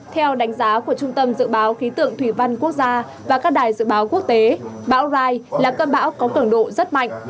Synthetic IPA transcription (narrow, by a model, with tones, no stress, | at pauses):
t̪ʰɛ˧wɗa˨˦ŋ̟zaː˨˦ku˧˩ət͡ɕʊ˧ŋ͡mt̪ə˧mzɨ̰˧˨ɓaː˨˦wxi˨˦t̪ɨ̰˧˨əŋt̪ʰwi˧˩va˧jnku˦˥ək̚zaː˧ | vaː˨˩kaː˦˥k̚ɗaː˨˩jzɨ̰˧˨ɓaː˨˦wku˦˥ək̚t̪e˨˦ɓa̰ː˧˥wzaː˧jlaː˨˩kəː˧nɓa̰ː˧˥wkɔ˨˦kɨ˧˩əŋɗo̰˧˨zə˦˥t̚ma̰˧˨jŋ̟ʔ